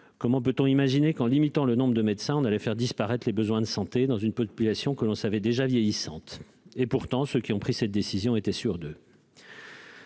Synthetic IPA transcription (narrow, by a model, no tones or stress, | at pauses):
kɔmɑ̃p̬øt̪ɔ̃imaʒinekɑ̃limit̪ɑ̃lənɔ̃bʁəd̪əmɛd̪sɛ̃ɔ̃nalɛfɛʁd̪ispaʁɛt̪χlebəzwɛ̃d̪əsɑ̃t̪ed̪ɑ̃zynpɔpylasjɔ̃kəlɔ̃savɛd̪eʒavjɛjisɑ̃t̪ | epuʁt̪ɑ̃søkʲiɔ̃pχisɛt̪̚d̪esizjɔ̃et̪ɛsyʁd̪ø